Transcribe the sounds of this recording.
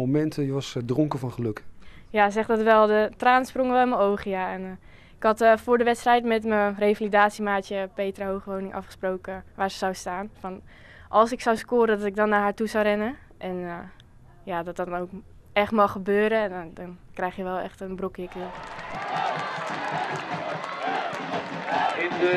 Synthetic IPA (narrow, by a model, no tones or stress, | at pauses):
omɛntəjəʋɑsdrɔŋkəfɑnχəlɵkjazɛχdɑtʋɛlˠdətraːnsproŋʋɛlˠɪnməowχəjaɛn | ɪkɦɑtfʊːɹdəʋɛtstrɛjtmɛtmərejfalidaːtsimaːtjəpejtraɦowχəʋownɪŋʔɑ̰fχəsprowkəʋaːɹsə̥zawstaːnfɔn | ʔɑlˠsɪksawskʊːɾədɔtɪɡ̚dɔnːaːɹɦaːɹtuzawrɛnə | ʔɛn | jadɔtdɑnowk | ɛχtmɑχəbøːɾədndɔnkrɛjχjəʋɛlˠɛ̰χtənbrokɪkə